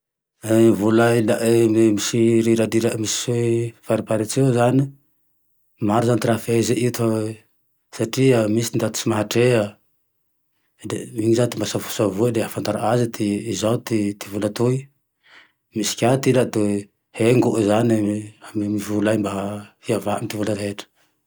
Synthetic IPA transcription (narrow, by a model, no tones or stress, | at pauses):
vulailamisiɾiɾad̪iɾamisi̥sefaɾipaɾit͡sewzani | maɾuzant̪iɾafezeʔit̪a | saʈ͡ʂiəmisind̪at̪u̥simaɦaʈ͡ʂeə | demiɲizat̪imbasavusavuəd̪eafant̪aɾaazit̪iizawt̪it̪ivulat̪ui | misi̥kʲat̪ilat̪e | heŋɡuʔzaniamimivulajmbafiavaamit̪ivuləɾɦeʈ͡ʂə̥